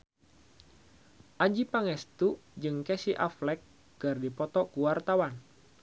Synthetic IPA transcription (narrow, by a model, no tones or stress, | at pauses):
ʔad͡ʒipaŋɛst̪ud͡ʒɨŋkɛsiʔaflɛkː | ɨrdipɔt̪ɔkuwart̪awan